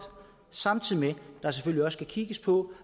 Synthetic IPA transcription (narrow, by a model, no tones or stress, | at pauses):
sɑ̈mt͡sʰiðˠimed̥ɑ̈s̬eføl̰liɒ̽skʰækʰiɡ̥əspʰɒ̽